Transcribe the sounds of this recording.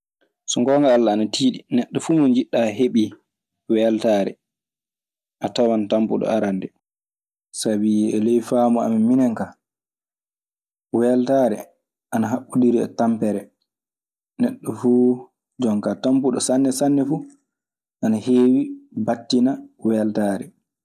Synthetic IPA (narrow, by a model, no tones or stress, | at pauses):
sɔŋɡɔːŋɡaalːaːnatʰiːɗinɛɗːɔfuːmɔnd͡ʒiɗːaɦeɓi | wɛaltaːɾɛ̰ | ʔatawantampuɗɔ̰aɾandɛ | sabiɛlɛjfaːmɔa̰miminɛŋka | wɛltaːɾɛ̰ | ʔanaɦaɓːuɗiɾiɛ̰tampɛɾɛ | nɛɗːɔfuː | d͡ʒɔŋkatampuɗɔsanːɛsanːɛfu | ʔanaheːwibatːinawɛaltaːɾɛ